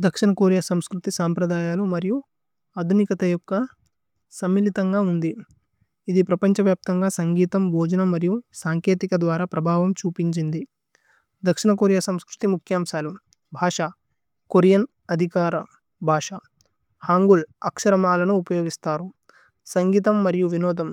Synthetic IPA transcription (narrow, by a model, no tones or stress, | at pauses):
d̪ɐkʂinɐkoːɾjɐsɐmskɾut̪isaːmpɾɐd̪aːjaːlumɐɾiju | ɐd̪ʱunikɐt̪ɐjɔkːɐ | sɐmːilit̪ɐŋɡaːund̪i | id̪ipɾɐpɐɲt͡ʃɐʋjaːp̚t̪ɐŋɡaːsɐŋɡiːt̪ɐmbʱɔːd͡ʒɐnɐmɐɾijusaːŋkeːt̪ikɐd̪ʋaːɾaːpɾɐbʱaːʋɐmt͡ʃuːpiɲt͡ʃind̪i | d̪ɐkʂinɐkoːɾjɐsɐmskɾut̪imukʰjaːmʃaːlu | bʱaːʂa | koɾjɐn | ɐd̪ʱikaːɾɐ | bʱaːʂɐ | haːŋɡulɐkʂɐɾɐmaːlɐnuːpɐjoːɡist̪aːɾu | sɐŋɡiːt̪ɐmːɐɾijuʋinɔːd̪ɐm